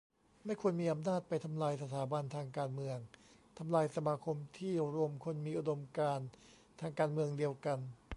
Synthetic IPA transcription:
ma˥˩jkʰu˧ənmiː˧ʔa˧mnaː˥˩t̪̚pa˧jt̪ʰa˧mlaː˧jsa˧t̪ʰaː˩˦ba˧nt̪ʰaː˧ŋkaː˧nmɯ˧əŋt̪ʰa˧mlaː˧jsa˧maː˧kʰo˧mt̪ʰiː˥˩ɾu˧əmkʰo˧nmiː˧ʔu˧do˧mkaː˧n | t̪ʰaː˧ŋkaː˧nmɯ˧əŋdi˧əwka˧n

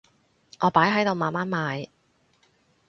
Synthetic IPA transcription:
ʔɔː˨˧paː˨˥jɦɐ˨˥jt̪o˨˧wmaː˨maː˨˥nmaː˨˧j

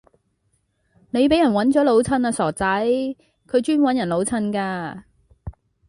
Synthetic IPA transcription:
ne˨˧jpe˨˥jɐ˨˩nwɐ˨˥nt͡ʃɔː˨˥lo˨˧˥wt͡sʰɐ˨˧naː˧sɔː˨˩t͡sɐ˨˥j | kʰɵ˨˧ɥt͡ʃyː˥nwɐ˨˥njɐ˨˩nlo˨˥wt͡sʰɐ˧˥nkaː˧

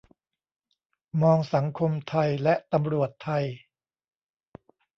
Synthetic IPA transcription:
mɔː˧ŋsa˩˦ŋkʰo˧mt̪ʰa˧jlɛ˦˥ʔt̪a˧mɾu˨˩ət̪ʰːa˧j

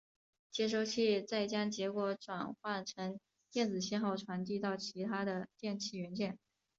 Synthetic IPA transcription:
t͡ɕjɛ˥ʂo˥˧ʊt͡ɕʰi˥˩t͡sa˥˩ɪt͡ɕjɑ˥ŋt͡ɕjɛ˧˥kwɔ˧˥ʈ͡ʂwa˨˩nxwa˥˩nʈ͡ʂʰɤ˧˥ŋ | t̪jɛ˥˩nt͡sɹ̩˨˩ɕjɛ˥nxɑ˥˩ʊʈ͡ʂʰwa˧˥nt̪i˥˧t̪ɑ˥˩ʊt͡ɕʰi˧˥t̪ʰa˥d̪ə˨t̪jɛ˥˧nt͡ɕʰi˥˩ɥɛ˧˥nt͡ɕjɛ˥˩n

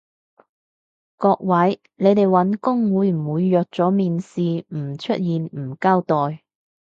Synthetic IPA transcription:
kɔː˧k̚wɐ˨˥j | ne˨˧jt̪e˨jwɐ˨˧˥nkʊ˥ŋwuː˨˧jm̩˨˩wuː˨˧jːœː˨k̚t͡sɔː˨˥miː˨nsiː˨m̩˨˩t͡ʃʰɵ˥t̚jiː˨nm̩˨˩kaː˥wt̪ɔː˨j

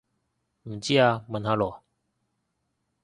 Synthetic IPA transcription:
m̩˨˩t͡ɕi˦a˧mə˨˧nha˧lɔ˨˩˨

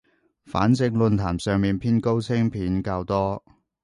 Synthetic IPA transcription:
fa̰ː˨˥nt͡sɪ˧ŋlɵ˧nt̪ʰaː˨˩msœː˨ŋmiː˨npʰiː˥nko˥wt͡sʰɪ˥ŋpʰiː˨˥nkaː˧wt̪ɔː˥

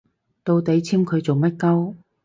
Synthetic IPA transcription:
t̪o˧wt̪e˨˧˥jt͡sʰiː˥mkʰɵ˨˧ɥt͡so˨˩wmɐ˥t̚kɐ˥w

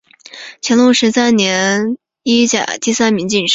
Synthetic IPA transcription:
t͡ɕʰɛ˧˥nlo˥˧˩ʂɻ̩˧˥t͡sa˥˩ɪnjɛ˧˥ | i˥t͡ɕja̰˨˩t̪i˥˧sa˥nmi˧˥ŋt͡ɕi˥˩nʂ

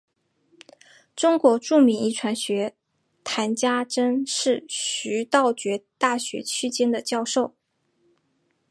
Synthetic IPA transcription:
ʈ͡ʂʊ˥ŋkwɔ˧˥ʈ͡ʂu˥˩mi˧˥ŋi˥˩ʈ͡ʂʰwa˧˥nɕɥɛ˧˥ | t̪ʰa˧˥nt͡ɕja˥ʈ͡ʂə˥nʂɻ̩˥˩ɕy˧˥t̪ɑ˥˩ʊt͡ɕɥɛ˧˥t̪a˥˩ɕɥɛ̰˧˥t͡ɕʰy˥t͡ɕjɛ˥nd̪ə˨t͡ɕjɑ˥˧ʊʂo˥˩ʊ

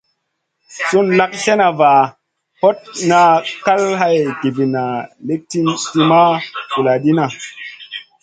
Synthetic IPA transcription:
su˦nla˦k̚ɬe˦na˨va˨ | po˦t̚na˧ka˦lɦa˦jɡi˨vi˨na˨le˦k̚tti˦ma˦ku˨la˨di˦na˨

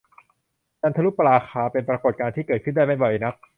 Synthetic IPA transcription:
t͡ɕa˧nt̪ʰa˧lu˦˥pːa˧ɾaː˧xʰaː˧pe˧npɾa˧ko˨˩t̪̚kaː˧t̪ʰiː˥˩kɤː˨˩kʰɯ˥˩daː˥˩jma˥˩jbɔ˨˩jna˦˥k̚

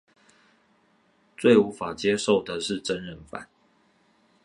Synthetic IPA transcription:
t͡swe˥˨ɪu˨˦fa˨˩t͡ɕjɛ˦ʂo˥˨ʊd̪ə˨ʂɻ̩˥˨ʈ͡ʂə˦nɻə˧˨ŋfa̰˨˩˦n

